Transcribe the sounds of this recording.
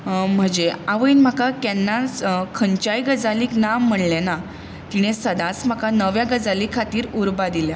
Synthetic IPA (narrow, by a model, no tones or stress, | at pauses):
m̤əd͡ʑeaʋəinm̤akakɛnːakʰəɲt͡ɕajɡəd͡zaliːknam̤ːəɽlena | t̪iɽ̃esəd̪ãt͡sm̤akanəʋjaɡəd͡zalikʰːat̪iːɾuɾbad̪ilja